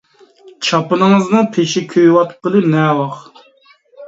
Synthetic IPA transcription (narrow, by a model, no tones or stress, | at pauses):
t͡ʃʰɑpɨnɨŋɨzmɨpʰeʃɪkʲʰøjwɑt̪ʰɨ̥p̚qəlˠɨnɛːwɑχ